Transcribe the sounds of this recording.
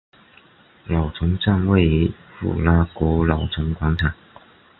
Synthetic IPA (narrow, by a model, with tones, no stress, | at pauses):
lɑ˨˩ʊʈ͡ʂʰɤ˧˥ŋʈ͡ʂa˥˧nwe˥˩ɪi˥ | fṵ˨˩la˥kwɔ˧˥lɑ˨˩ʊʈ͡ʂʰɤ˧˥ŋkwa˧˥ŋt̪ʰa˨˩˦